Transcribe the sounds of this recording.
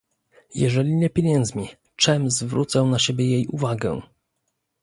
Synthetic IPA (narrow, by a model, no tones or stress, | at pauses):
jɛ̰ʐɛlʲiɲɛpʲjeɲɛnd̪zmʲi | t͡ʂɛmzvɾṵt̪sɛ̃naɕɛbʲjɛjejuvaɡɛ̰̃